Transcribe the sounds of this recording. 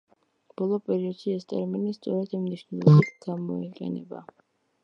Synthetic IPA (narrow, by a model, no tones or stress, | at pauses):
b̥ɔlˠɔpʼɛɾiɔd̪̥ʃiɛst̪ʼɛɾminist̪sʼɔɾɛd̪imniʃnɛlˠɔbit̪ʰɡ̥amɔiqʼɛ̰nɛ̰ba̰